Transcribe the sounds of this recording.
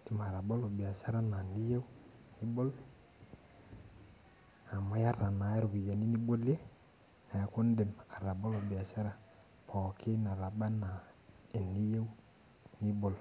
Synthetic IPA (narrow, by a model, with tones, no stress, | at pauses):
i˨ma˨ɾa˨bo˦lo˨bi˨a˨sa˦ɾa˦na˨ni˦je˦wu˦ | ni˦bo˦l | a˨ma˦ja˦ɾa˨na˨˦e˦ɾu˨ki˨ja˨ni˦ni˦bo˦le˦ | a˨ja˨ko˦n˦de˨ma˨ɾa˨bo˦lo˨bi˨a˨sa˦ɾa˨ | pʰɔ˨kʰi˦na˨ɾa˨ɓa˦na˨ | e˨ni˦je˦u˦ | ni˦bo˨l